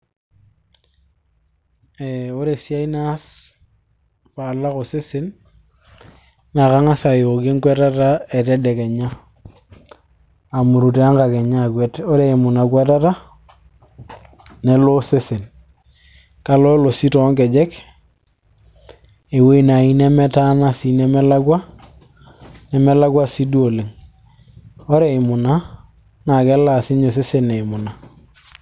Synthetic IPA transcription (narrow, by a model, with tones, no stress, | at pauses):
e˨o˦ɾe˨si˦a˦i˦na˦s | pa˨la˦ko˨se˦sɪ˦n | na˨ka˦ŋa˦sa˨jo˨ke˦ŋkwe˦ta˦ta˦e˨tɛ˦dɛ˨kɛ˨ɲa˦ | a˨mu˨ɾu˨te˨a˦ŋka˨ke˨ɲa˦˨kwe˦to˦ɾe˨e˨mu˨na˨kwe˦ta˦ta˦ | nɛ˦lo˦se˦se˨n | ka˨lɔ˦lo˨si˦tɔ˨˦ŋkɛ˨d͡ʒɛ˦k | e˨we˦i˨na˨i˦nɛ˦mɛ˦ta˦na˦si˨˦nɛ˦mɛ˦la˦kwa˦ | nɛ˨mɛ˦la˦kwa˦si˦du˦o˨le˨ŋ | ɔ˦ɾe˦ɪ˨mʊ˨na˦ | na˨kɛ˦la˨sɪ˦ɲo˨s̬e˦se˦ne˨ɪ˨mʊ˨na˨